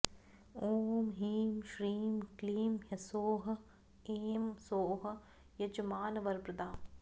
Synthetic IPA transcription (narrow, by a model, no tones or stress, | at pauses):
oːmɦiːmʃɾiːmkliːmjɐsoːɦɐ̆ | eːmsoːɦɐ̆ | jɐd͡ʒɐmaːnɐʋɐɾpɾɐd̪aːm